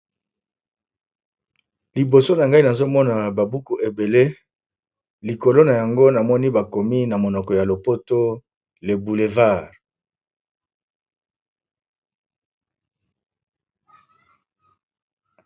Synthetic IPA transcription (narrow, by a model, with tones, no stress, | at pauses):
li˨bo˨so˦na˨ŋɡa˦i˦na˨zo˦mɔ˦na˨ba˨bu˦ku˨ʔe˨be˨le˦ | li˨ko˨lo˦na˨ja˨ŋɡo˦na˨mɔ˦ni˦ba˨ko˨mi˦na˨mo˨nɔ˨kɔ˨ja˨lo˨po˦to˦ | le˨bu˨le˨va˦˨ʁ